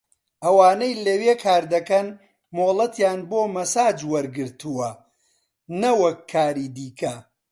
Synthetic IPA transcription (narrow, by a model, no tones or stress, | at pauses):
ʔɐwaːnejlɐweːkʰaːɾd̪ɐkɐn | moːlˠɐt̪jaːnboːmɐsaːd͡ʒwɐɾɡɨɾt̪ʰuwɐ | nɐwɐkʰːaːɾiːd̪iːkɐ